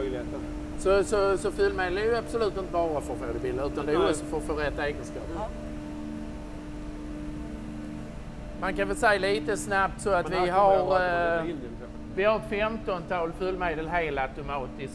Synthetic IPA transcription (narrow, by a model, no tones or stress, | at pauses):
sɔsɔsɔfʉlmeːd̪əlæɾjɵab̥sɔlʉ̟ːt̪ɪnt̪əbɑːɾafœɾfeːd̪ɪbɪlːəʉ̟ːt̪and̪ɛɔksɔfɔɾfəɾɛt̪ːeːɡənskɑ̰ːp | mankãnvɛlsɛjːaliːt̪əsnap̚t̪sɔat̪vɪɦaɾ | vɪhaɾt̪fɛmt̪ɔnt̪ʰɑːlfʉlmeːd̪əlɦeːlt̪at̪ʊmɑːt̪ɪs